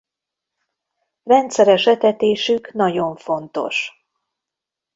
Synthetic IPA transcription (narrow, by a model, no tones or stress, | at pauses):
rɛnt̪sɛɾɛʃɛt̪ɛt̪eːʃyknɒɟo̞ɱfo̞nt̪o̞̰ʃ